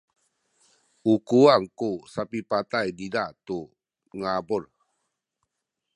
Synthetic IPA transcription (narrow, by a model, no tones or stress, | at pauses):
ukuaŋkusapipat̪ajdidaʔt̪u | ŋabʊr